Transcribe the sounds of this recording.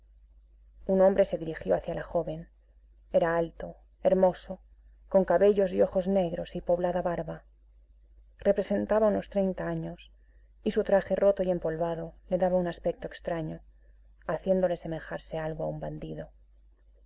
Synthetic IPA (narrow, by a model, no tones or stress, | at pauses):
unõ̞mbɾe̞se̞ðiɾixjo̞aθjalaxo̞βe̞n | e̞ɾaalt̪o̞ | e̞ɾmo̞so̞ | ko̞ŋkaβe̞ʝo̞zio̞xo̞zne̞ɣɾo̞sipo̞βlaðaβaɾβa | re̞pɾe̞se̞nt̪aβauno̞st̪ɾe̞jnt̪aaɲo̞s | isut̪ɾaxe̞rʔo̞t̪oie̞mpo̞lβaðo̞le̞ðaβaunaspe̞k̚t̪oekst̪ɾaɲo̞ | aθje̞nd̪o̞lese̞me̞xaɾse̞alɣoaumband̪iðo̞